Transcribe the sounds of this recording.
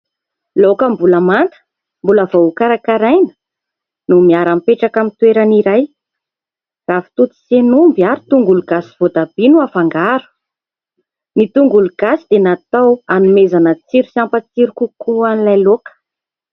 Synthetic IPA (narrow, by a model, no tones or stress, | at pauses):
lokəmbulamant̪ə̥ | mbuləvoukaɾakaɾajnə̥ | numiaɾampeʈ͡ʂakamit̪weɾaniɾaj | z̥afi̥t̪ut̪i̥senumbiaɾit̪uŋɡuluɡasi̥v̥od̪ab̥inuafaŋɡaɾu̥ | nit̪uŋɡuluɡasid̪̥enat̪awanumezanət͡siɾusiampət͡siɾukukuanilajlokə̥